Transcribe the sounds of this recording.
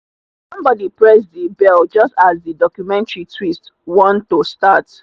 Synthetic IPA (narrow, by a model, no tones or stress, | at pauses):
sʌ̃mbɔdipɹɛsdibɛld͡ʒʌstazðədɔkjumɛ̃ntɹitʰwistwɔ̃ntːostat